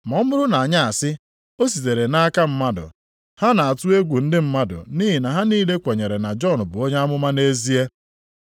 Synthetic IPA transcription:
mɔ˨˦mʊ˦ɾʊ˦na˨a˨ɲa˦a˨sɪ˦ | o˦s̬i˨te˨ɾe˨na˦a˦ka˦m̩˦ma˦dʊ̰˨ | ha˦na˨a˨tʊ˦e˦ɡʷu˨n̩˦dɪ˦m̩˦ma˦dʊ̰˨niː˦ɦi˨na˨ɦa˦niː˦le˦kʷe˨ɲe˨ɾe˨na˨d͡ʒɔ˦˨n̩˨bʊ˨o˦ɲa˦mʊ˦ma˦ne˦zi˦e˦

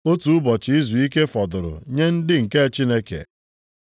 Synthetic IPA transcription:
o˦tu˨ʊ˦bɔ˨t͡ʃɪ˦i˦zu˨i˦ke˦fɔ˨dʊ˨ɾʊ̰˨ɲe˦n̩˦dɪ˦ŋ̩˨ke˦˨t͡ʃi˦ne˦kḛ˨

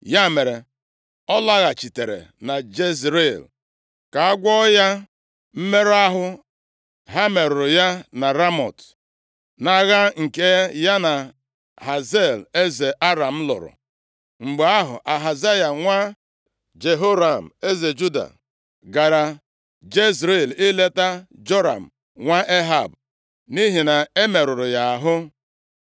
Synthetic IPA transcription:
ja˦˨me˨ɾe˨ | ɔ˦la˦ɣa˨t͡ʃi˨te˨ɾḛ˨na˨d͡ʒe˦zɾe˦˨l | ka˨a˦ɡʷɔ˦ja˦ | m̩˦me˦ɾa˦ɦʊ˦ | ɦa˦me˨ɾʊ˨ɾʊ˨ja˦na˨ɾa˦mɔ˨t | na˨ɣa˦ŋ̩˨ke˦ja˦na˨ | ɦa˨ze˦˨le˦ze˨ʔa˦ɾa˨m̩˦lʊ̰˨ɾʊ̰˨ | ŋ͡m̩˨ɡ͡be˨a˦ɦʊ̰˨ʔa˨ɦa˨za˦ja˨ŋʷa˦ | d͡ʒe˨ɦo˦ɾa˨m̩˨e˦ze˨d͡ʒu˦da̰˨ | ɡa˨ɾa˨ | d͡ʒe˦zɾe˦˨lɪ˦le˦ta˦d͡ʒo˦ɾa̰˨m̩˨ | ŋʷa˦ʔe˦ɦa˨b̚ | ni˦ɦi˨na˨e˦me˨ɾʊ˨ɾʊ˨ja˨a˨ɦʊ˦

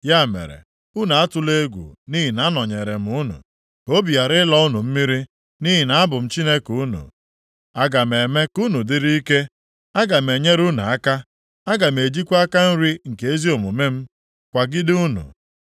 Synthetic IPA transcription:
ja˦˨mḛ˨ɾḛ˨ | u˦nu˨a˦tʊ˦le˦ɡʷṵ˨ni˦ɦi˨na˦nɔ˨ɲe˨ɾe˨m̩˦u˦nṵ˨ | o˦bi˨a˨ɾɪ˦lɔ˦ʊ˦nu˨m̩˦mi˦ɾi˦ | ni˦ɦi˨na˨˦bʊ˨m̩˦t͡ʃi˦ne˦ku˦nṵ˨ | a˦ɡa˨me˨me˦ku˦nu˨dɪ˦ɾi˦i˦ke˦ | a˦ɡa˨m̩˨e˨ɲe˦ɾu˦nu˨a˦ka˦ | a˦ɡa˨m̩e˨d͡ʒi˦kʷa˦ka˦n̩˦ɾi˦ŋ̩˨ke˨e˦zi˦o˨mu˨me˦m̩˦ | kʷa˨ɡɪ˦dɪ˦u˦nṵ˨

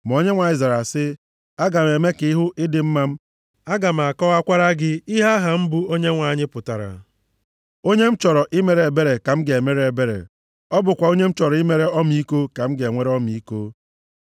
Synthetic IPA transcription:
m˨o˦ɲe˦ŋʷa˨i˨za˨ɾa˨sɪ˦ | a˦ɡa˨m˨e˨me˦kɪ˨ɪ˦ɦʊ˦ʔɪ˦dɪ˨m̩˦ma˦m̩˦ | a˦ɡa˨m̩˨a˨kɔ˦a˦kʷa˦ɾa˦ɡɪ˦i˦ɦa˦ɦa˨m̩˦bu˦o˦ɲe˦ŋʷa˨ɲɪ˦pʊ˨ta˨ɾa̰˨ | o˦ɲe˦m̩˦t͡ʃɔ˨ɾɔ˨ʔɪ˦me˨ɾe˨e˨be˦ɾe˨ka˨m̩˦ɡe˨me˦ɾe˦e˨be˦ɾḛ˨ | ɔ˦bʊ˨kʷa˨o˦ɲe˦m̩˦t͡ʃɔ˨ɾɔ˨˦ɪ˦me˦ɾe˦ɔ˦m˦i˦ko˦ka˨m̩˦ɡe˨ŋʷe˦ɾe˦ɔ˦m˦i˦ko˦

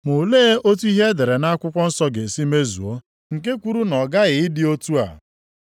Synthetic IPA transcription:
mo˨leː˦ʔo˦tu˦i˦ɦe˦de˨ɾe˨na˦a˦kʷʊ˦kʷɔ˦n̩˦sɔ˦ɡe˨si˦me˦zṵ˨o˦ | ŋ̩˨k̬e˦kʷu˦ɾu˦nɔ˨ɡa˦ɣɪ˨ɪ˦dɪ˦o˦tu˦a̰˨

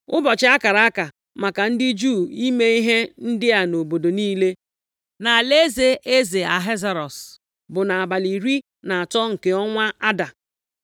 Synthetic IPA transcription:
ʊ˦bɔ˨t͡ʃɪ˦a˦ka˨ɾa˨a˦ka˨ | ma˨ka˨n̩˦dɪ˦d͡ʒuː˦˨i˦me˦i˦ɦe˦n̩˦dɪ˦a˨no˨bo˨do˨niː˦le˦ | na˨le˦ze˨ʔe˦ze˨a̰˨ɦe˦za˨ɾɔ˨s | bʊ˨na˨a˨ba˨li˨ɾi˦ | na˨a˨tɔ˦ŋ̩˨ke˨ɔ˦ŋʷa˦a˦da˨

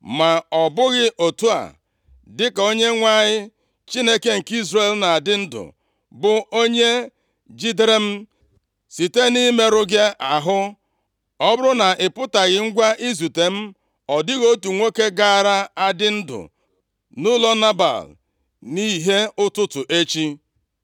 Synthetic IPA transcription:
ma˨ɔ˨bʊ˦ɣɪ˦ʔo˨tu˦a̰˨ | dɪ˦ka˨o˦ɲe˦ŋʷa˦ɲɪ˦ | t͡ʃi˦ne˦ke˦ŋ̩˨ki˦zɾe˨lna˨a˨dɪ˦n̩˦dʊ̰˨ | bʊ˨o˦ɲe˦ | d͡ʒi˦de˦ɾe˦m̩˦ | si˨te˦ni˦me˦ɾʊ˦ɡe˦a˨ɦʊ˦ | ɔ˦bʊ˦ɾʊ˦na˨ʔɪ˨pʊ˦ta˨ɣɪ˨ŋ̩˦ɡʷa˦ʔi˦zu˨te˨m̩˦ | ɔ˨dɪ˦ɣo˦tu˨ŋʷe˦ke˦ɡa˦˨ɾa˦a˦dɪ˦n̩˦dʊ̰˨ | nʊ˦lɔ˦na˦ba̰˨l | ni˦ɦe˦ʊ˦tʊ˦tʊ˨ʔe˦t͡ʃi˦

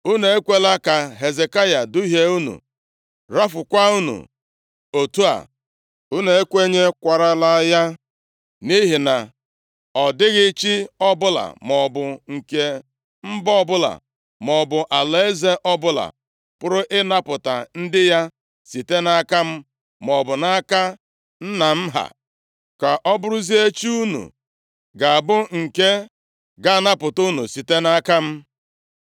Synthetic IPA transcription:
u˦ne˨e˦kʷe˦la˦ka˨ɦe˨ze˨ka˦ja˨dʊ˦i˦ɦe˦u˦nṵ˨ | ɾa˦fʊ˨kʷa˦u˦nṵ˨ | o˨tu˦a̰˨ | u˦ne˨e˦kʷe˦ɲe˦kʷa˨ɾa˦la˦ja˦ | ni˦ɦi˨na˨ | ɔ˨dɪ˦ɣɪ˦t͡ʃi˦ɔ˦bʊ˦la̰˨mɔ˨bʊ˨ŋ̩˨ke˦ | m̩˦bɔ˦˨bʊ˦la̰˨ | mɔ˨bʊ˨ʔa˨le˦e˦ze˦ʔɔ˦bʊ˦la̰˨ | pʊ˦ɾʊ˦ʔɪ˦na˦pʊ˨ta̰˨n̩˦dɪ˦ja˦ | si˨te˦na˦ka˦m̩˦ | mɔ˨bʊ˨na˦ka˦ | n̩˦na˨m̩˦ɦa̰˨ | ka˨ʔɔ˦bʊ˦ɾʊ˦zi˦e˦t͡ʃi˦u˦nṵ˨ | ɡa˨a˨bʊ˦ŋ̩˨ke˦ | ɡa˦na˦pʊ˨tu˦nu˨si˨te˦na˦ka˦m̩˦

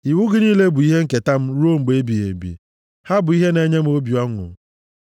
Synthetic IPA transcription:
i˨wu˦ɡi˦ni˦le˦bʊ˨i˦ɦe˦ŋ̩˦ke˨ta˦m̩˦ɾo˦m̩˨ɡ͡be˦bi˨ḛ˨bḭ˨ | ha˦bʊ˨i˦ɦe˦ne˦ɲe˦m̩˦o˦bja˦ŋʷʊ̰˨

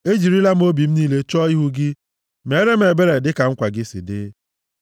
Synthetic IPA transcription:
e˦d͡ʒi˨ɾi˦la˦m̩˦o˦bi˨m̩˦niː˦le˦t͡ʃɔ˦i˦ɦu˦ɡɪ˦ | me˨˦ɾe˦m̩˦e˨be˦ɾe˨dɪ˦ka˨ŋ̩˦kʷa˨ɡɪ˦sḭ˨dɪ̰˦

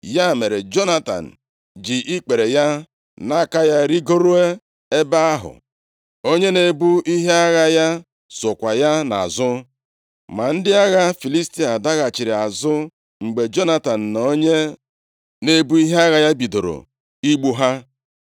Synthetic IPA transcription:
ja˦˨me˨ɾe˨d͡ʒo˦na˦ta̰˨n̩˨ | d͡ʒi˨ʔi˦k͡pe˨ɾe˨ja˦ | na˦˨ka˦ja˦ɾi˦ɡo˦ɾo˦e˦ | e˦ba˦a˦ɦʊ̰˨ | o˦ɲe˦ne˨bu˦i˦ɦe˦a˦ɣa˦ja˦ | sʊ˨kʷa˨ja˦na̰˨zʊ˦ | ma˨n̩˦dɪ˦a˦ɣa˦fi˨li˦sti˦a˨da˦ɣa˨t͡ʃi˨ɾi˨a˨zʊ˦ | ŋ͡m̩˨ɡ͡be˨d͡ʒo˦na˦ta˨n̩˨n˨o˦ɲe˦ | ne˨bu˦i˦ɦe˦a˦ɣa˦ja˦bi˨do˨ɾo̰˨ | i˦ɡ͡bu˦ɦa˦

